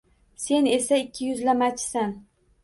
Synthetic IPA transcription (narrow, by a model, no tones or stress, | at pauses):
se̞ne̞saɪkʲʰːɪjʊzlamat͡ʃʰsan